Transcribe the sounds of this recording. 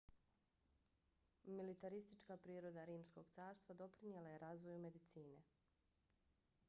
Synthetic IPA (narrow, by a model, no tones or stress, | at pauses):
milit̪aɾist̪it͡ʃkapɾiːɾo̞d̪aɾiːmsko̞ɡt̪saːɾst̪ʋad̪o̞pɾinijelaje̞ɾazʋo̞jume̞d̪it̪siːne̞